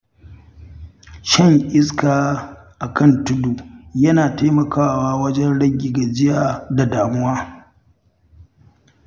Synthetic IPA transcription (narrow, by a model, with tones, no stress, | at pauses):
ʃɛ˦˨ŋʔɪ˦s̬kaː˨ | ʔa˨kɐ˦˨ntʊ˦du˨jɐ˦naː˨taː˦mɐ˨kaː˦waː˦wɐ˦d͡ʒɛ˦nɽɐ˦ɡʲi˨ɡa˨d͡ʒɪ˦jaː˨da˨daː˨mʊ˦waː˦